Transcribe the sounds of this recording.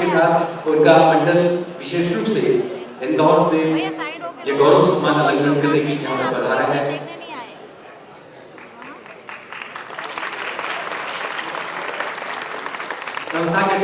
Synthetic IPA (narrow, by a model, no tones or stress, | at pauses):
esaːt̪ʰʊɾɡaːmɐ̃ɳɖəlʋɪʃeːʃɾuːbse | ɪ̃nd̪ɔːɾse | jeɡɔːɾõsɐmːaːnɐləɡnə̃nɡəɾnekikɦãməbɐd̪ʱaːɾaɦɛː | sɐ̃nst̪ʰakes